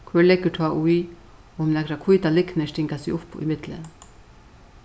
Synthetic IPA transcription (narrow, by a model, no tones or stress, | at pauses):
kʰvɛːɹlɛkːʏt̪ʰaːʔuj | ɔmnɛkɾakʰujt̪alɪknɛʂt̪ɪŋkasiʔʊhpṵjmɪt̪lɪ̰n